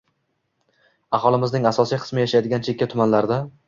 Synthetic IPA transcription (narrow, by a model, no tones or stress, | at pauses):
aχɒlˠɪmɪznɪŋasɒsijqʰɨ̥smɪjaʃajd̪ɪɡʲant͡ʃʰe̞kʲːat̪ʰʊmanlaɾd̪a